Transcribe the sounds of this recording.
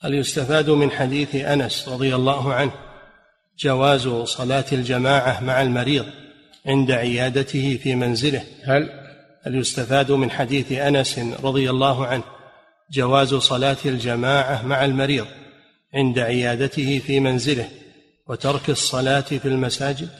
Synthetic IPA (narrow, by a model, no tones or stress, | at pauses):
ʔaljʊst̪afaːd̪mɪnħad̪iːθʔanasɾˤɑðˤɨjalːɑːɦʊʕanh | d͡ʒawaːzsˤɑlaːt̪ald͡ʒamaːʕamaʕalmaɾiːðˤ | ʕɪnd̪aʕɪjaːd̪at̪ɪhɪfiːmanzɪlɪh | haljʊst̪afaːd̪mɪnħad̪iːθʔanasɾˤɑðˤɨjalːaːɦʕanh | d͡ʒawaːzsˤɑlaːt̪ald͡ʒamaːʕamaʕalmaɾiːðˤ | ʕɪnd̪aʕɪjaːd̪at̪ɪhɪfiːmanzɪlɪh | wat̪ɑɾˤkɑsˤːɑlaːt̪filmasaːd͡ʒɪd̪